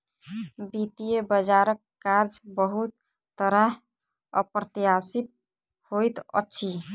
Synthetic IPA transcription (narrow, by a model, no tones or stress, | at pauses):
bit̪ijebəd͡ʒaɾəkːaɾd͡ʒbəɦut̪̚ː | əɾəɦ | ə̰pɾət̪ijasip̚ | hojt̪ə̰tːʃʰi